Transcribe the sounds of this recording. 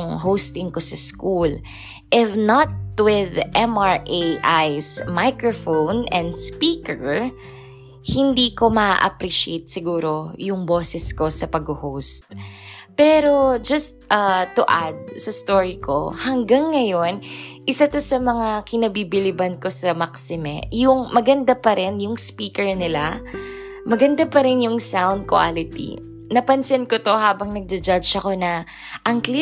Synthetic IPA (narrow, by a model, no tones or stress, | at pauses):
ŋɦowst̪ɪŋko̞sɐskul | ʔɪfnɐt̪̚wɪðʔɛmaɹʔeʔajsmajkɹofonɛ̃nd̪spiːkɛɹ | hɪnd̪iːko̞mɐʔa̰ʔɐ̰pɾiʃḛjt̪̚sɪɡuːɾo̞jʊŋboːsɛsko̞sɐpɐɡohowst̪̚ | pɛːɾo̞d͡ʒɐst̪̚ɐt̪ʊʔad̪̚sɐst̪oːɹikʰo̞hɐŋɡɐŋːɐjo̞nʔɪsat̪o̞sɐmɐŋakɪnɐbibɪlɪbɐnko̞sɐmaksɪmɛjʊŋmɐɡɐnd̪apɐɾɛnjʊŋspiːkɛɹnɪla | mɐɡɐnd̪apɐɾɛnjʊŋsawnd̪̚kwa̰lɪt̪ḭ | nɐpɐnsɛnkot̪o̞haːbɐŋnɐɡ̚d͡ʒ̪ɛd͡ʒad͡ʒɐko̞nɐ | ʔɐŋkli